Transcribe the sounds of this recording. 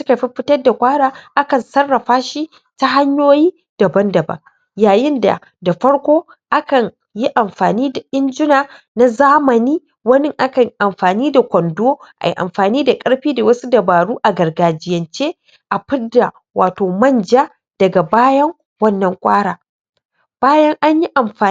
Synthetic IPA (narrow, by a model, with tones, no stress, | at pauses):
sʊ˦ka˨ɸi˦ɸɪ˦tɐ˦rda˨kʷʼaː˦ɽaː˨˦ʔa˦kɐ˨nsɐ˦rːɐ˨ɸaː˦ʃi˦ | ta˦ɦa˦ɲjoː˦jiː˦ | d̥ɐ˨bɐ˦ndɐ˨bɐ̰˨ŋ | jaː˨jɪ˦nda̰˨ | da˨ɸɐ˦ɽkʷoː˦ | ʔa˦kɐ˨ɲ | ji˦ʔa˨mɸaː˨niː˦da˨ʔɪ˦nd͡ʒɪ˦naː˨na˦zaː˦mɐ˨niː˦ | wɐ˦nɪ˦ŋʔa˦kɐ˨ɲ˦ʔa˨mɸaː˨niː˦da˨kʷɐ˨ndoː˦ʔa̰˨jḭ˨ʔa̰˨mɸaː˨niː˦da˨kʼɐ˦ɽɸiː˦da˨wɐ˦su˦dɐ˨baː˨ɽuː˦ʔa˨ɡɐ˨rɡaː˨d͡ʒɪ˦jɐ˨nt͡ʃeː˦ | ʔa˨ɸɪ˦dːa˨ | wʔaː˨toː˨mɐ˦nd͡ʒaː˦ | d̥ɐ˨ɡa˨baː˦jɐ˦ŋ | wɐ˦nːɐ˨ŋkʷʼaː˦ɽaː˨ | b̥aː˦jɐ˦ŋʔa˦ɲji˦ʔa˨mɸaː˨